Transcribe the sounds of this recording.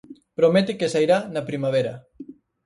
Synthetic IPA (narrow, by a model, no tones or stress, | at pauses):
pɾomet̪ɪkesajɾanɐpɾimaβ̞eɾɐ